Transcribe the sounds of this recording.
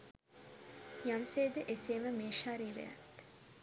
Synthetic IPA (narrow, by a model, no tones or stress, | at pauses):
jamseːd̪əʔeseːməmeːʃaɾiːɾḛja̰t̪ː